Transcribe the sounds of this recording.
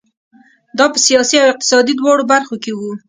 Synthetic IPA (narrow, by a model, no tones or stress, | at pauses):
d̪ɑpəsijɑsiawɪq̚t̪ɪ̥sɑd̪id̪wɑɽobaɾxokewu